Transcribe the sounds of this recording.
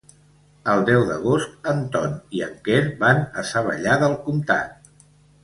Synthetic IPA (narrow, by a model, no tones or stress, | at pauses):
əlˠd̪ɛwðəɣ̞ost̪ənt̪ɔniə̰ŋkɛɾbanəsəβ̞ə̰ʎaðəlˠkumt̪a̰t̪̚